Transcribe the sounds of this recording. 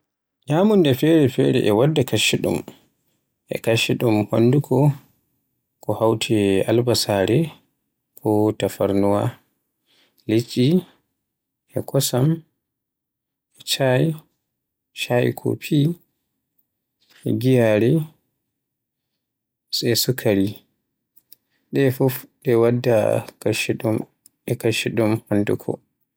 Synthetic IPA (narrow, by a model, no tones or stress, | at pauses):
ɲamundɛfɛɾɛfɛɾɛ̰ʔɛwadːakaʃiɗṵm | ʔɛ̰kaʃiɗumha̰ndukʰɔ | kɔhawtʰia̰lbasaɾɛ | kʰɔtafaɾnuwa | lit͡ʃʼːi | ɛkɔsam | ɛt͡ʃaj | ʃaj̰kʰɔ̰pʰi | ɛ̰ɡijaɾɛ | sɛsukʰaɾi | ɗɛfufɗɛwadːa̰kaʃiɗum | ɛkaʃiɗumhandukʰɔ̰